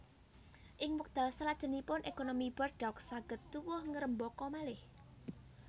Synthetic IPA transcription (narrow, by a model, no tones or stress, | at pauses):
ʔɪŋwək̚d̪̥alsəlad̥ʒ̥ə̤nipʊnʔekonomib̥ərɖ̥ɔksaɡ̥ə̤t̪ːuwʊhŋəɾəmbɔkɔmalɪh